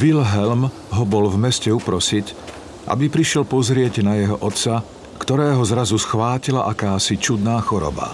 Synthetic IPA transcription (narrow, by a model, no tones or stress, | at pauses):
ʋilɦɛlm | ɦɔbɔlvmɛscɛupɾɔsic | ʔa̰bipɾiʃɪɛlpɔzɾɪɛcnajɛɦɔʔɔt̪sa | kt̪ɔɾɛːɦɔzɾazusxʋaːcilaʔakaːsit͡ʃud̪naːxɔɾɔ̰ba̰